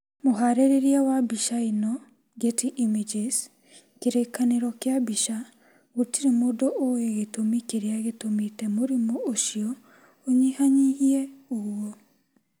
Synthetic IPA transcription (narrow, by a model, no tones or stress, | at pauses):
moɦaɾeɾeɾiawabiʃainɔ | ɡetiʔimid͡ʒes | keɾekaneɾɔkjabiʃa | ɣotiɾemodɔʔoeɣetomikeɾeaɣetomitɛmoɾimɔʔoʃiɔ | oɲihaɲihiɛowɔ